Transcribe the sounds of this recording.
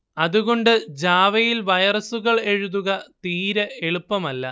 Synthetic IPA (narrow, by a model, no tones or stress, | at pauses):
ɐðuɣo̞ɳɖɨd͡ʑaːʋɐjilʋɐjɐrɐsuɣɐɭe̞ɻuðuɣɐt̪iːɾɐe̞ɭupːɐmɐlːɐ̰